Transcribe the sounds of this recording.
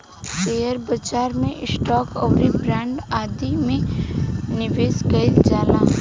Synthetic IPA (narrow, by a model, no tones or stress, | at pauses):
seːjəɾbəd͡ʒaːɾmẽʔɪsʈɔːkɔːɾibɾɛ̃ːɳɖaːd̪imẽ | nɪʋeːskəɪld͡ʒaːlaː